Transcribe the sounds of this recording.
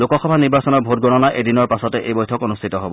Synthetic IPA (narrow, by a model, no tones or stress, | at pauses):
lokɔxɔbʱaniɹbasɔnɔɹbʱot̚ɡɔnɔnaʔedinɔɹpasɔtɛʔejbɔjtʰɔkonustʰitɔɦobɔ